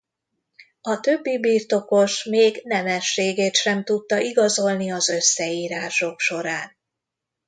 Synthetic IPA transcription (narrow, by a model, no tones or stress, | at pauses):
ɒt̪øbːibiːrt̪o̞ko̞ʃmeːɡnɛmɛʃːeːɡeːt̪ʃɛmt̪ut̪ːɒʔiɡɒzo̞lniɒzø̞sːɛiːɾaːʃo̞kʃo̞ɾaːn